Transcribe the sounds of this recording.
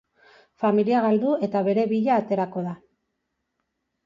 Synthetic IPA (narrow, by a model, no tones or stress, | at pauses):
familiaɣald̪ue̞t̪aβe̞ɾe̞βiʎaːt̪e̞ɾako̞ða